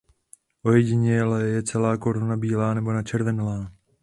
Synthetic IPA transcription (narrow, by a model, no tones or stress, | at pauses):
ʔo̞jɛɟɪɲɛlɛjɛt͡sɛlaːko̞ɾunabiːlaːnɛbo̞nat͡ʃɛɾvɛnlaː